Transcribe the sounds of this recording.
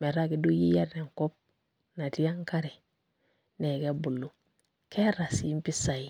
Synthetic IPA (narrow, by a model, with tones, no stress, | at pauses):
me˨ɾa˦ki˦du˦ji˦ja˦ɾne˨ŋ˨ko˦p̚ | na˨ti˦ja˦ŋ˦ka˦ɾi˨ | ne˨ke˦bu˨lːu˨ | kʰe˦ɾa˨sm˦pi˦sa˨ji˨